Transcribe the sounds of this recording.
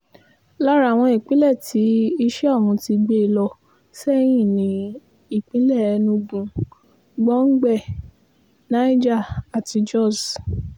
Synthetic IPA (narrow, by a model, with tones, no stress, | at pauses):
la˦ɾa˦˨w̃ɔ̃˧i˨k͡pĩ˨˦lɛ˦˨ti˨˦i˧ʃɛ˦a˦˨mũ˧ti˧ɡ͡be˦˨lɔ˧ | sɛ˦j̃ĩ˦˨nĩ˨˦ | i˦˨k͡pĩ˨˦lɛ˦˨ɛ˧nũ˧bũ˧ | ɡ͡bɔ˦ŋ̩˦ɡ͡bɛ˦˨ | nã˨˦i˦d͡ʒa˦˨a˨ti˧d͡ʒɔ˦˨s